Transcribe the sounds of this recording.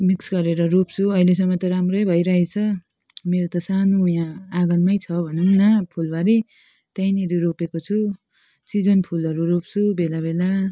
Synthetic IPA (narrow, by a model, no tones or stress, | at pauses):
miksɡʌɾeɾʌɾopt͡sʰuʌiles̬ʌmːʌt̪ʌɾamrʌjbʱʌjɾaɦet͡sʰʌ | meɾot̪ʌsanojãaɡʌnmʌjt͡sʰʌbʱʌnunnʌpʰulbaɾi | t̪ʌjniɾiɾopekot͡sʰu | sid͡zʌnpʰulʌɾuɾop̚t͡sʰubelabela